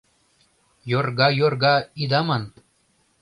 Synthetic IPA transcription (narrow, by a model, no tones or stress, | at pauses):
jorɡɑjorɡɑid̪ɑman